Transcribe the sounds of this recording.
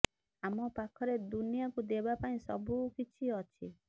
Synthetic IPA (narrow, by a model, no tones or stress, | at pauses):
amɔpakʰɔɾed̪unijɔkud̪ebapaĩsɔ̰bukit͡ʃʰiɔt͡ʃʰi